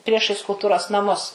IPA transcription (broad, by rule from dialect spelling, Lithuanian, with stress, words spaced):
ˈpʲrʲiɛʃɐɪs kʊlˠˈtʊroːs nɐˈmʊs